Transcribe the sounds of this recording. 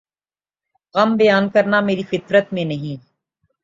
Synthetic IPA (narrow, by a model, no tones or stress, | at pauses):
ɣɐmbɐjaːnkɐɾnameːɾifɪt̪ɾət̪mẽnɐɦĩː